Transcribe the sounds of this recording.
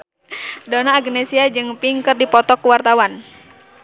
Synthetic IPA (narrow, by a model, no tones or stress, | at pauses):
donaːɡnɛsiad͡ʒɨŋpiŋkɨrdipɔt̪ɔkːuwart̪awan